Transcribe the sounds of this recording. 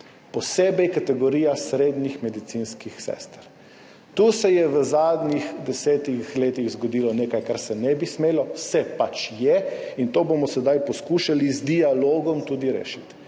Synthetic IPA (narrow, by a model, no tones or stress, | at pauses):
pɔseːbɛjkat̪ɛɡɔɾiːjasɾeːd̪nixmɛd̪it̪sinskixsɛ̰st̪ɾ | t̪usɛjɛʋəzad̪nixd̪ɛsɛt̪ixleːt̪iɣzɡɔd̪iːlɔneːkajkaɾsɛnɛbismeːlɔwsɛpat͡ʃjɛint̪oːbomɔsɛd̪ajpɔskuːʃalizd̪ialoːɡɔmt̪uːd̪iɾḛːʃit̪